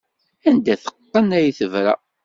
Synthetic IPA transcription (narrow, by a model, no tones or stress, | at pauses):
ænd̪æθə̥qːənæjiθəvɾæ̰